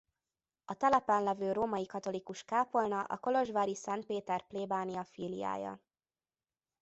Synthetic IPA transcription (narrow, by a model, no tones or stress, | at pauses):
ɒt̪ɛlɛpɛnlɛvøːɾoːmɒjikɒt̪o̞likuʃkaːpo̞lnɒʔɒ̰ko̞lo̞ʒʋaːɾisɛnt̪̚peːt̪ɛrpleːbaːnijɒfiːlija̰ːjɒ̰